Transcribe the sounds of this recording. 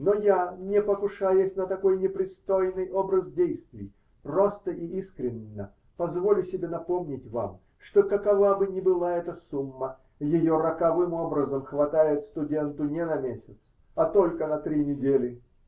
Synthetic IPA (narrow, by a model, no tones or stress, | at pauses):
nojanʲɪpəkʊʂajʊsʲnət̪ɐko̞jnʲɪpɾʲɪst̪ojnɨjʔo̞bɾəzdʲejst̪vʲɪj | pro̞st̪əʔiiskɾʲɪnʲːə̰ | pɐzvolʲʊsʲɪbʲenɐpomnʲɪtʲva̰m | ʂt̪okəkɐvabɨnʲɪbɨlˠaɛt̪əsumːə | jɪjoɾəkɐvɨmo̞bɾəzəmxvɐt̪ajɪt̪st̪ʊdʲe̞nt̪ʊnʲɪnɐmʲesʲɪt̪s | ɐt̪o̞lʲkənɐt̪ɾʲinʲɪdʲelʲɪ